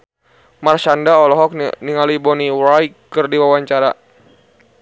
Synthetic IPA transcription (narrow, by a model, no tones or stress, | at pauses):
marʃandaɔlɔɦɔk̚niŋalibɔniwɾajkːərdiwawaɲt͡ʃaɾa